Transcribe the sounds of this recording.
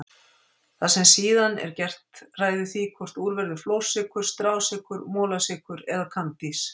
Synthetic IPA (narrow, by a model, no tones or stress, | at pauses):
θasɛmsiːðanɛ̰ɾcɛr̥t̪raːjðɪθikʰvɔr̥t̪uːɾvɛɾðʏfloːwsɪkʏɾ̥st̪ɾaːwsɪkʏɾmɔːlasɪːkʏɾɛðakʰant̪is